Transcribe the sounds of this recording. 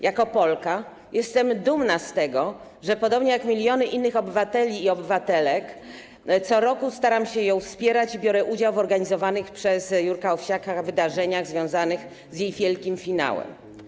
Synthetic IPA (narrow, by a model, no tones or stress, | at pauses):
jakɔpɔlka | jʔɛst̪ɛmd̪umnast̪ɛɡɔ | ʐɛpɔd̪ɔbɲɛjakmʲilʲjɔnɘʔinːɘxɔbɘvat̪ɛlʲiːɔbɘvat̪ɛlɛk | t̪sɔɾɔkust̪aɾamɕɛjɔ̃w̃fspʲjɛɾat͡ɕibʲjɔɾɛʔud͡ʑawvɔɾɡaɲizɔvanɘxpʂɛzjuɾkaɔfɕakavɘd̪aʐɛɲaɣzvʲjɔ̃w̃zanɘx | zjejvʲjɛlkʲimfʲina̰wɛ̰m